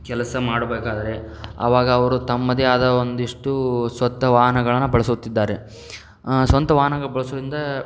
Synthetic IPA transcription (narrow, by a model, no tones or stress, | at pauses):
kɛlɐsɐmaːɽɐbeːkaːd̪ɐɾe | ɐ̰ʋaːɡɐːʋɐɾut̪ɐmːɐd̪iaːd̪ɐond̪iʂʈusʋɐt̪ːɐʋaːɦɐnɐɡɐɭɐnːubɐɭɐsut̪ːid̪ːaːɾe | sʋɐnt̪ɐʋaːɦɐnɐɡɐɭɐbɐɭɐsɐɾind̪ɐ